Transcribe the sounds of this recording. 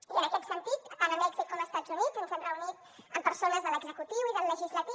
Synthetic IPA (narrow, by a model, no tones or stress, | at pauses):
iənəkɛt̪sənt̪it̪anəmɛɡzikːoməst̪at̪zunidzũnsenrəunit̪ | əmpəɾsonəzðələɡzəkut̪iwiðəlːəʒizlət̪i